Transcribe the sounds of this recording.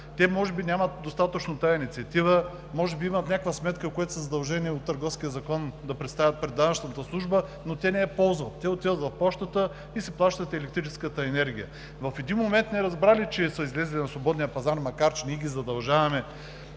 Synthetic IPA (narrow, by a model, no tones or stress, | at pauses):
t̪ɛmɔʒɛbinʲamɐt̪̚d̪ost̪at̪ət͡ʃnot̪ajɐinit̪siɐt̪ivə | mɔʒɛbiimɐt̪nʲakvɐsmɛt̪kəkoɛt̪ʊ̥səzɐd̪ɐlˠʒɛniɛot̪ːəɾɡɔfskʲijəzɐkɔnd̪ɐpɾɛt̪st̪avʲət̪̚pɾɛd̪ːavəʃt̪əmt̪əslˠuʒbənot̪ɛnɛɛpɔlˠzvɐt̪ːɛot̪ːivət̪vɐfpɔʃt̪ət̪ə | isɛplˠaʃt̪ət̪ɛlɛk̚t̪ɾit͡ʃɛskət̪əɛnɛɾɡʲijə̰ | vɐfɛd̪inmomɛnt̪nɛɾɐzbɾalit͡ʃɛsəizlɛzɐlʲinɐslvobɔd̪nijəpɐzaɾmɐkaɾt͡ʃɛniɛɡʲizɐd̪ɐlˠʒavɐmɛ